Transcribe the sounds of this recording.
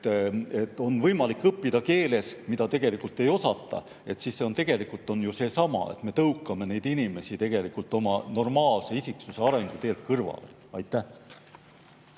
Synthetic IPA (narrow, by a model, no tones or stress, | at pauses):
e̞t̪ːˑo̞nvɤjmɑlikːɤpːid̪̥ɑke̞ːle̞smid̪ɑt̪e̞ɡ̥e̞likːˑult̪ːe̞jo̞sɑt̪ˑːɑ̰ | e̞t̪sisːeo̞nt̪e̞ɡ̥e̞likːˑult̪ːˑo̞njuse̞ːsɑmɑ̰ḛt̪me̞t̪ɤuwkːˑɑme̞ne̞jd̪̥inime̞sit̪e̞ɡ̥e̞likult̪ːˑo̞mɑno̞rmɑːlse̞isiksuse̞ɑɾe̞ŋɡ̥ut̪e̞ːlt̪̚kɤrvɑ̰le̞̰ | ɑjt̪ːˑæ